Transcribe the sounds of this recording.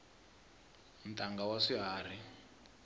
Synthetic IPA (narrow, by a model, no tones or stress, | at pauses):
m̩tʼaŋɡawaʂiɦaːr̤i